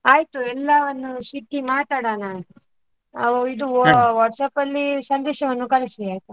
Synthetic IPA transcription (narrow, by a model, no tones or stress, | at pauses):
aːjt̪uɛlːɐʋɐnːusiʈːimaːt̪aːɽaːnaː | ɐid̪uʋaːʈsɐpɐlːisɐnd̪ɛːʃɐʋɐnːukɐlisiiaːjt̪u